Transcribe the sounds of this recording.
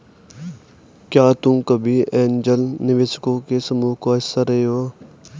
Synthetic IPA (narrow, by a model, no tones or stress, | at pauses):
kjaːt̪ũkəbʱiɛ̃ːnd͡ʒəlnɪʋɪskõkesəmuːɦkoɪsəɾəɦeo